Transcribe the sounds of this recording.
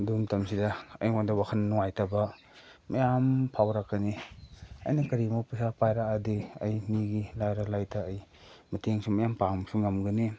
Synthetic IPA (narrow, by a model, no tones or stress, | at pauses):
dumtɐmsidɐɐjŋandɐwakʰɐnnuŋajtɐbɐ | mɐjampʰawɾakːɐniɐ̰jnɐkɐɾimawpisapajɾaadiɐjmiɡilajɾalajtʰaːj | mɐtʰeŋsumɐjampaŋmsuŋɐmɡɐni